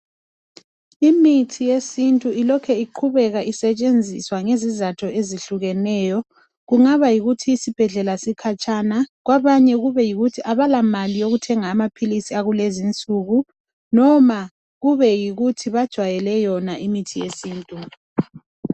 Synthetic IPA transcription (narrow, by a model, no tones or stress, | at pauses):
imitʰijesintʼuilɔkʰɛiǃʰuβɛɣaʔisɛt͡ʃʼend͡zʱḭswaŋezizatʰɔeziɬuɣɛnɛjɔ | ɣuŋaβajiɣutʰiːsib̥ʱɛɮɛlasikʰat͡ʃʼanaɣwaβaɲɛɣuβɛjiɣutʰiʔaβalamalijoɣutʰɛŋaːmapʰilisiaɣulezint͡sʼuɣu | nɔma | ɣuβɛjiɣutʰiβad̥ʒ̥ʱwajɛlɛjɔnaʔimitʰijesiːntʼu